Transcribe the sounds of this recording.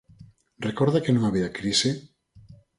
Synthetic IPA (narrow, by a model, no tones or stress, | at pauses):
rekoɾðakenõŋaβiakɾise